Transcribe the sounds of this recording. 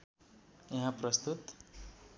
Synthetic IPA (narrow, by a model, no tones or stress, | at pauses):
ẽɦãprʌst̪ut̪